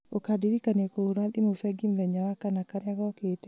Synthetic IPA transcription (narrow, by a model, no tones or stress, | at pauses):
okadiɾikanekouɾalimufɛɡimlɛɲawakanakaɾjaɡɔketɛ